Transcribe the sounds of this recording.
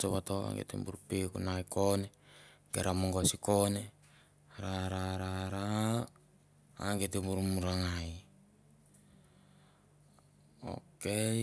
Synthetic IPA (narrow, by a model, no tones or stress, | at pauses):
t͡ʃoβatoa̰ŋɡḛt̪ḛmbuɾupekunaikonekeɾamoŋɡoasikone | ɾaɾaɾaɾa | ŋɡetembuɾumuɾaŋaj | o̰ke